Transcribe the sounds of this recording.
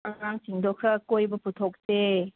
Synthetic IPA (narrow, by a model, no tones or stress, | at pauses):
aaŋsiŋdɔkʰɾakojbɯputʰɔk̚te